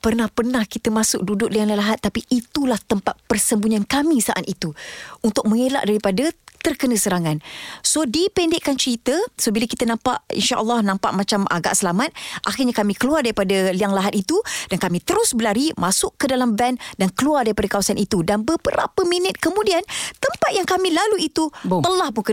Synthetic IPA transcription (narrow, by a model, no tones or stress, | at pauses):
pərnahpərnahkit̪əmasʊk̚dudʊʔ̚liaŋlalaɦat̪ːapiʔːt̪ulaht̪əmpat̪̚pərsəmbuɲankamĩsaʔat̪it̪uunt̪ʊk̚mə̃ŋela̰ʔdaɾipadət̪ərkənəsəɾaŋansodipɛndɪʔkːant͡ʃəɾit̪əsobiləkit̪ənãmpaʔḭnʃaʔə̰lːɔhnãmpa̰ʔmãt͡ʃama̰ɡa̰ʔsəlamat̪̚ʔaxɪrɲakamĩkəluardaɾipadəliaŋlaɦat̪̚it̪ud̥ankamĩt̪əɾʊsbəlaɾimasʊʔədalamvɛndankəluardaɾipadakawasanʔit̪udanbəbəɾa̰pəminət̪̚kəmũdiant̪əmpat̪̚jaŋkamĩlaluit̪uəlahpʊnkə